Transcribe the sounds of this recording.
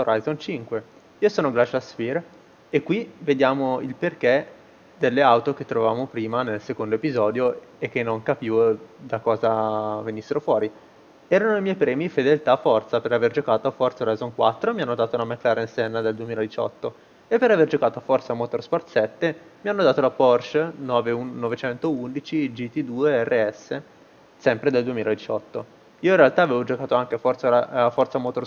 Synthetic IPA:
oɾajzont͡ʃiŋkwe | iːosoːnoɡlat͡ʃaspir | ekːwived̪jaːmoilperk̟e | d̪elːeawt̪ok̟et̪ːɾovavaːmopɾiːmanelsekond̪oepizɔːd̪joek̟ːenːoŋkapiːvod̪akɔːzavenisːeɾofwɔːɾi | ɛːɾanoimjɛjpɾɛːmifed̪elt̪afːɔrt̪sapeɾaverd͡ʒokaːt̪oafɔrt̪saoɾajzoŋkwat̪ːɾomianːod̪aːt̪ounamekːlaːɾensɛnːad̪eld̪uemiːlad̪it͡ʃɔ̰t̪ːo | epːeɾaverd͡ʒokaːt̪oafɔrt̪samot̪orspɔrt̪sɛt̪ːemianːod̪aːt̪olapɔrʃnɔːveuːovet͡ʃɛnt̪ound̪it͡ʃid͡ʒit̪ːid̪ueɛrːeɛsːe | sɛmpɾed̪eld̪uemiːlad̪it͡ʃɔt̪ːo | iːoinrealt̪aːveːvod͡ʒokaːt̪oaŋk̟eafɔrt̪saaafːɔrt̪samot̪or

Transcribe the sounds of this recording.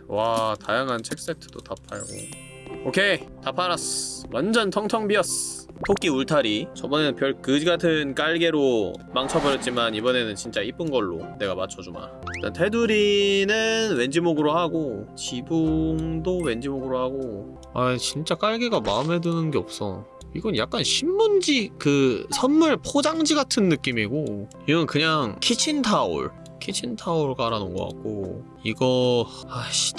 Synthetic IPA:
watajaŋɦant͡ɕʰek̚s͈etʰɯ̥d̥otapʰa̰ɭɡo̰ | okʰe̞tapʰaɾaswand͡ʑʌntʰʌŋtʰʌŋbiʌs | pʰok͈iuɭtʰaɾit͡ɕʌbʌnenɯnpjʌɭkɯd͡ʑiɡatʰɯnk͈aɭɡe̞ɾomaŋt͡ɕʰʌbɯɾjʌt̚t͡ɕ͈imanibʌne̞nɯnt͡ɕint͡ɕ͈aip͈ɯnɡʌɭːo̰ne̞ɡamat͡ɕʰʌd͡ʑuma̰ | it͈antʰe̞duɾinɯnwend͡ʑimoɡɯɾohaɡot͡ɕibuŋdowe̞nd͡ʑimoɡɯɾohaɡo | at͡ɕint͡ɕ͈ak͈aɭɡeɡamaɯmɦe̞dɯnɯnɡe̞ʌp̚s͈ʌ̰ | iɡʌnja̰k̚k͈anɕʰimːund͡ʑikɯsʰʌnmuɭpʰod͡ʑaŋd͡ʑiɡatʰɯnːɯk͈imiɡo | iɡʌnkɯɲaŋkʰit͡ɕʰintʰaṵɭ | kʰit͡ɕʰintʰauɭɡaɾanɯnɡʌ̰k͈a̰t̚k͈o̰ | iɡʌaɕi̥d

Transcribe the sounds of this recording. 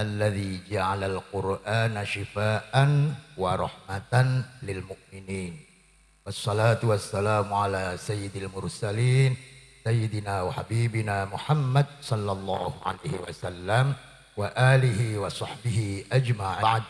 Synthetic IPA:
ʔalːaðiːd͡ʒaʕalalqʊɾʔaːnaʃɪfaːʔanwɑɾˤɑ̰ħmat̪anlɪlmʊʔmɪniːn | wɑsˤːɑlaːt̪ʊwasːalaːmʕalaːsajːɪd̪almʊɾsaliːn | sajːɪd̪ɪnaːwaħabiːbɪnaːmʊħamːad̪̚sˤɑlːɑlˤːɑːhʊ̰ʕa̰lajhɪ̰wa̰salːam | waʔaːlɪɦɪwɑsˤɑħbɪhɪʔad͡ʒmaʕʕd̪

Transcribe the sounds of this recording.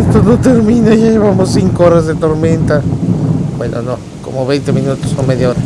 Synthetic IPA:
est̪ono̞t̪eɾmĩnaʝaʝe̞βamosːiŋkooɾazðet̪o̞ɾmẽ̞nt̪a | bwḛnʔo̰no | komoβe̞jnt̪emĩnut̪osomeðjaoɾa

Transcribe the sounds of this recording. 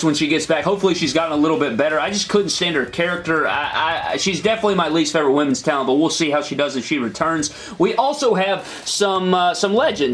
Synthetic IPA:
swə̃nʃiɡɛtsb̥ækhoʊpfl̩ˠiʃizɡɑɾɪ̃ŋəlɪɾl̩ˠbɪt̚b̥ɛɾə˞aɪd͡ʒʌskʰʊdⁿn̩tstæ̃nd̚ə˞kʰɛɹɨk̚tə˞a̰ɪʔa̰ɪʃizdɛfənətˡlimaɪlistfeɪvɹət̚wɪ̃mn̩z̥tʰãʊ̃nbʌt̚wilˠsiɦaʊʃidʌzɨfʃiɹɨtʰɜ̃˞nz̥ | wiʔɔlˠsoʊɨv̥ | sʌ̃msʌ̃mlɛd͡ʒɨ̃n

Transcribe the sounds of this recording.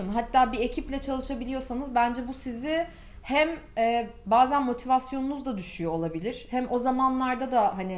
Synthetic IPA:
nɦat̪ːaːbie̞cʰiplʲɛt͡ʃʰalˠɯʃabilʲijo̞sanɯzbænd͡ʒɛbusizɪ | hæmɛːbaːzænmo̞t̪ʰivasjo̞nunuzd̪ad̪yʃyjo̞ːlˠabilʲiɾ̥hɛmʔo̞zamanlˠaɾd̪ad̪aɦani

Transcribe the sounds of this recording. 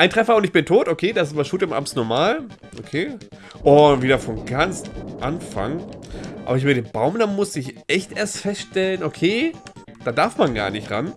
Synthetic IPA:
ʔaɪntʁ̥ɛfɐʊntɪçb̥ɪntʰoːtʔokʰeːdaɪsabasʃuːtɪmʔa̰bmsnɔɐmaːl | ʔokʰeː | ʔʊviːdɐfɔnɡant͡sʔanfa̰ŋʔa̰ːbɐɪçvɪːɡdeːnbaʊmdamʊsɪçʔɛçtʔeːɐstfɛstʃtɛlənokʰeː | d̥aːdaɐfmanɡa̰ːɐnɪçtʁan

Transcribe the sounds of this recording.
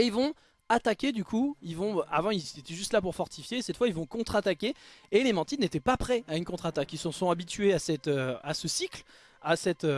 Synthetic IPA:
eilvɔ̃ | at̪akʲed̪ykuilvɔ̃ʔa̰vɑ̃ilzet̪ɛʒyst̪lapuʁfɔʁt̪ʰifjesɛt̪fwailvɔ̃kɔ̃t̪χat̪akʲeːlemɑ̃t̪inet̪ɛpapχɛaynkɔ̃t̪χat̪akilsɔ̃sɔ̃abit̪ɥeasɛt̪øasəsikl | asɛt̪ø

